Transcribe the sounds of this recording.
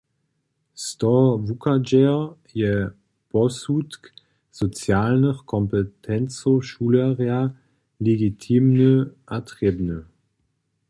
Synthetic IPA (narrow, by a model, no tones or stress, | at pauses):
stɔvukʰad͡ʒɛ | jɛ | b̥ɔsutk | z̥ot͡sjaːlnəχkʰɔmpətʰɛnt͡soʃuləʁea | leɡitʰiːmnəʔatʁibnə